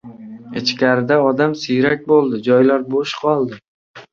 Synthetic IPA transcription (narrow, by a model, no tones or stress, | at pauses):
ɪt͡ʃkʲaɾɪd̪aɒd̪amsɪjɾak̚ʲbolˠd̪ɪd͡ʒɒjlaɾboʃqʰɒlˠd̪ɪ